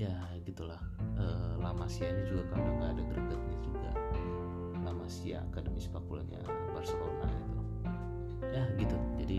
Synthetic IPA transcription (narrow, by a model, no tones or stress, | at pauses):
ja | ɡit̪ulahəːlamasiaɲad͡ʒuɡakaaŋɡaːdaɡəɾəɡət̪̚nid͡ʒuɡa̰ | lamasia̰ːkadəmispakula̰a̰ | barsəkola̰it̪u | jaɡit̪ud͡ʒadi